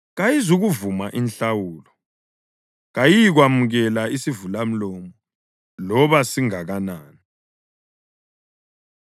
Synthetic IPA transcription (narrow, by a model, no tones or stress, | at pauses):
ɣajizuɣuvumaʔinɬawuːlɔ | ɣajijɣwamuɣɛlaisivulam̩lɔːmɔɔ | lɔβasiŋaɣanaːni